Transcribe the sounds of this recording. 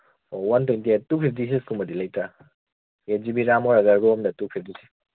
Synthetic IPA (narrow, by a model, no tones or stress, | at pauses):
owɐntwejntiatupʰip̚ʰdisiskumɐdilɐjtɾa | ed͡ʒibiɾamɔɾɐɡɐɾɡoɔmdɐtupʰip̚disi̥